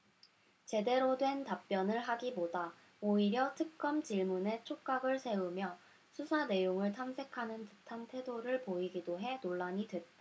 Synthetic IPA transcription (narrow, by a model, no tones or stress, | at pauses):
t͡ɕe̞de̞ɾodwe̞ntap̚p͈jʌnɯɭɦaɡiboda | oiɾjʌtʰɯk̚k͈ʌmt͡ɕiɭmune̞t͡ɕʰok̚k͈aɡɯɭsʰe̞umjʌ | sʰusʰane̞joŋɯɭtʰamsʰe̞kʰanɯntɯtʰantʰe̞doɾɯɭpoiɡidoɦe̞noɭːaɲidwe̞t̚t͈a